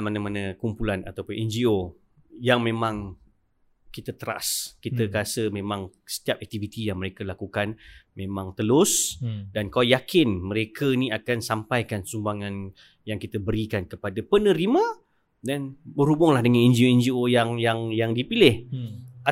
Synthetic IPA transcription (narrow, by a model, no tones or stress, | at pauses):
manəmanəkumpulana̰t̪awpʊnɛnd͡ʒio | jaŋmẽmãŋ | kit̪ət̪əɾa̰skiəkasəmẽmãŋsə̥t̪iap̚ɛk̚t̪ivit̪ijaŋməɾekəlakukanmẽmãŋt̪əlʊsdankalajakɪnməɾekʰəiniakansampajkansumbaŋãn | jaŋkit̪əbəɾikankəpadapənəɾimã | danbəɾubʊŋlahdəŋanɛnd͡ʒioɛnd͡ʒiojaŋjaŋjaŋdipilɪha